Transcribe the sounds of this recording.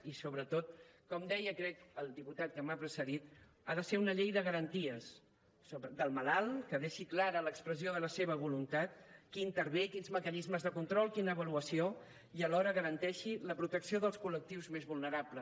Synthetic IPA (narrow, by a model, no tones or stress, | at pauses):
isoβɾət̪ot̪̚kɔmd̪ɛjəkɾɛkəlˠd̪iput̪at̪̚kəmapɾəsəðit̪ | aðəseɾunəʎejðəɣəɾənt̪iəs | soβəd̪əlˠməlalˠkəðeʃiklaɾələkspɾəzioðələseβ̞əβulunt̪at̪̚kint̪əɾβekinzməkənizməzðəkunt̪ɾɔlˠkinəːβəluəsio | iəlɔɾəɣəɾənt̪ɛʃiləpɾut̪əksioðəlˠskulək̚t̪iwzmezβulˠnəɾaplə